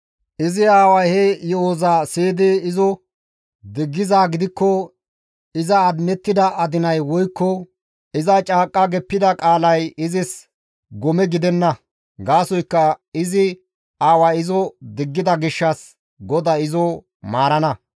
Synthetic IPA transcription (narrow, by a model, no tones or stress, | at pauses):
ʔɪzɪaːwɐjhɛjɔoːzaːseːd̪eɪzɔ | d̪ɪɡːɪzaːɡɪd̪ɪkːɔ | ɪzɐːd̪nɛt̪ːɪd̪ɐʔɐd̪ɪnɐjwɔjkːɔ | ɪzɐt͡ʃʼaːkʼːɐɡɛpːɪd̪ɐkʼaːlɐjɪzɪs | ɡɔmɛɡɪd̪ɛnːɐ | ɡaːsɔjkːɐɪzɪ | aːwaɪzɔd̪ɪɡːɪd̪ɐɡɪʃːɐs | ɡɔd̪ɐɪzɔ | maːɾɐnɐ